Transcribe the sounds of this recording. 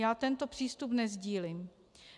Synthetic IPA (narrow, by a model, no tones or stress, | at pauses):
jaːt̪ɛnt̪opr̥iːst̪upnɛzɟiːlim